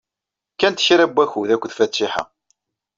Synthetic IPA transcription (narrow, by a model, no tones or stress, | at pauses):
kːænt̪çɾæbːæçuðækʷːðfætːɪħa̰